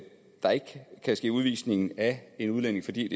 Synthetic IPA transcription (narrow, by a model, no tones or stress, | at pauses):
d̥ɑ̈e̝ɡ̥kʰæsɡ̥e̝̰ːuð̞ˠʋḭːsne̝ŋn̩æe̝nuð̞ˠlen̰e̝ŋfɒ̽d̥ḭːd̥e